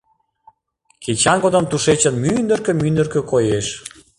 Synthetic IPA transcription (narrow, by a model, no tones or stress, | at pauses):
kʰet͡ɕɑnɡod̪əmt̪uʃet͡ɕənmynd̪ə̆rkø̆mynd̪ərkø̆kojeʃ